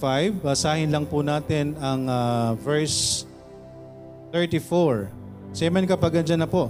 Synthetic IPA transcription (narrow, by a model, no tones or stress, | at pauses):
fajvbɐsaːhɪnlɐŋpunaːt̪ɪnɐŋavɛɹs | θɛɹt̪ifɔɹ | sɛmɐnkɐpɐɡ̚ɐnd͡ʒɐnɐpoʔ